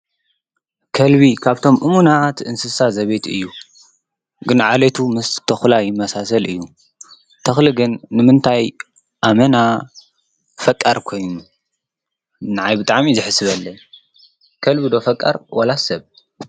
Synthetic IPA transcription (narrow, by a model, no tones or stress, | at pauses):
kʰɐlβikʰaβt̪ʰo̞mʔɨmunat̪ʔɨnsɨsazɐβet̪ʰɨ̰jːu | ɡɨnʕalet̪ʰumɨst̪ʰɐxlajɪmɐsasɐlɨjːu | t̪ʰɐxlɨɡɨnːɨmɨnt̪ʰaj | ʔamɐna | fɐkʼːɐɾkʰo̞jnu | naʕajbɨt̪ʼaʕmizɨħɨsɨβɐlːɐ | kʰɐlbɨd̪o̞fɐkʼːɐ̰ɾwɐlasɐβ